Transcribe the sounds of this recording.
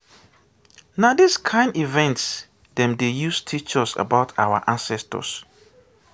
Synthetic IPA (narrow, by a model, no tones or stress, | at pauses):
nadiskʰãɪ̃ndivɛ̃nts | dɛ̃mdejustʰit͡ʃɔsa̰baʊtʰa̰wa̰ʔãnsɛstʰɔ̰s